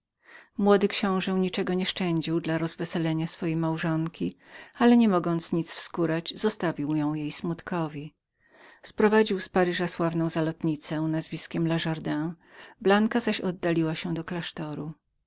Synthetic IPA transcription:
mwɔd̪ɘkɕɔ̃w̃ʐɛwɲit͡ʂɛɡɔɲɛʂt͡ʂɛɲd͡ʑiwd̪laɾɔzvɛsɛlɛɲasfɔjejmawʐɔŋkʲi | alɛɲɛmɔɡɔnt̪sɲit̪sfskuɾad͡ʑzɔst̪avʲiwjɔ̃w̃jejsmut̪kʰɔvʲi | spɾɔvad͡ʑiwspaɾɘʐaswavnɔ̃w̃zalɔt̪ɲit̪sɛ̃nazvʲiskʲɛmlaʐaɾd̪ɛ̃ | blaŋkazaɕɔd̪ːalʲiwaɕɛd̪ɔklaʂt̪ɔɾu

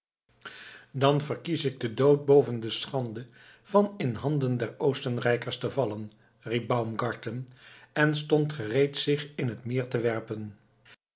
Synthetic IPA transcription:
dɑnvəɹkisɪɡ̚dədowt̚bowvəndəsχɑndə | v̥ɑnɪnɦɑndəndɛɹowstənrɛjkəɹstəvɑlən | rip̚bʌwmɡɑɹtənɛnstɔntχərejtsɪχɪnɦətmɪːɹtəʋɛɹpən

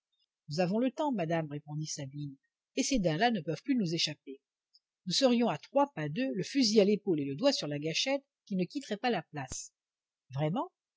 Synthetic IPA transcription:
nuzavɔ̃lət̪ɑ̃mad̪amʁepɔ̃d̪isabin | esed̪ɛ̃lanəpœv̥plynuzeʃape | nusəʁjɔ̃at̪χwapad̪øləfyzialepoleləd̪wasyʁlaɡaʃɛt̪ | kʲinəkʲit̪χɛpalaplas | vʁɛmɑ̃

